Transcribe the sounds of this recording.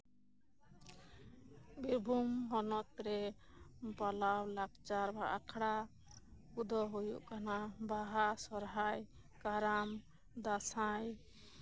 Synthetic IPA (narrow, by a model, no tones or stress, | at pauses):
biɾbʱumɦɔnɔt̪̚ɾɛ | palawlakt͡ʃaɾbaʔakʰɽa | kud̪ʱɔɦojuʔkanabaɦasɔɾɦaj | kaɾam | d̪asaj